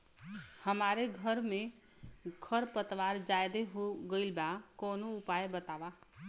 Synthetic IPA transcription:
həmaɾeɡʱəɾme | kʰəɾpət̪ʋaɾd͡ʒajd̪eɦoɡəɪlbakonoupajbət̪aba

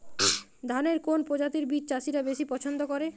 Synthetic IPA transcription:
d̪ʱaneɾkonpɾod͡ʑat̪iɾbiɾ̚t͡ɕaʃiɾabeʃipɔt͡ɕʰond̪okoɾe

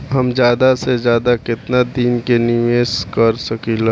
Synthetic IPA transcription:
ɦɐmd͡ʒjaːd̪asezjaːd̪akɪt̪nad̪iːnkenɪʋeːskɐɾsəkila

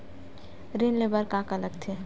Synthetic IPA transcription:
ɾenlebəɾkãkaləɡt̪ʰe

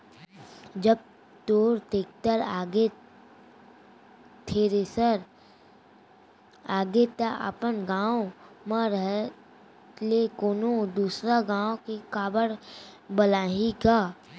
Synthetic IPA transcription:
d͡ʒəb̚ | t̪oːɾt̪eːk̚ʰt̪əɾaɡe | t̪ʰeɾesəɾ | aːɡet̪aʔa̰ːpənɡãːo | mãɾəɦ | lekoːnod̪uːsɾaɡãːõkekaːbəɽbəlaːɦikaː

